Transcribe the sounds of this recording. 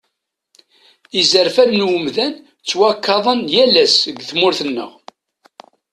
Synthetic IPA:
izəɾfæðnwəmðæn | t͡sːwækːɑðˤənjælæsəɡθmʊɾθənːə̰ʁ

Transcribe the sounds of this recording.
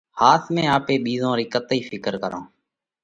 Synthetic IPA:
haːt̪ʰmẽːaːpeːɓiːzõːɾiːkət̪iːfʰɪkəɾkəɾõ̰ː

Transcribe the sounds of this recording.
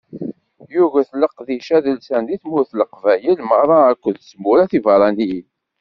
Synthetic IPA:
juʝæθləqðiʃæðəlsænd̪iθmʊɾθləqvæjəlmərˤɑækʷːəðsmːuɾæθivɑɾˤɑniji

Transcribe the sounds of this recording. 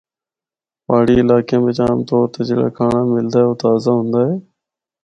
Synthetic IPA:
paːɽiːɪlaːkijãːmeːt͡ʃaːmt̪oːɾt̪eːd͡ʒeːɽa̰ːkʰaːɳaːmɪld̪aːoːt̪aːzaːɦʊ̃nd̪aːɦeː

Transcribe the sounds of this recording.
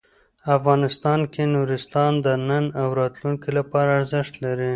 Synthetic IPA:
afɣɑnɪst̪ɑnkenuɾɪst̪ɑnd̪ənənawɾɑt̪luŋkilapɑɾaːɾzɪʃt̪laɾi

